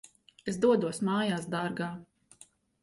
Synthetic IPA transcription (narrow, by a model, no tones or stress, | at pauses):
esd̪uɔd̪uɔsmaːjaːsd̪aɾɡaː